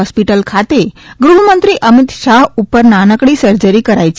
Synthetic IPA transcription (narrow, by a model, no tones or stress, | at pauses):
ɔspiʈəlkʰat̪eɡɾuɳ̤əmənt̪ɾiʔəmit̪saɦupːəɾnanəkɽiːsəɾd͡ʑəɾikəɾajt͡ɕ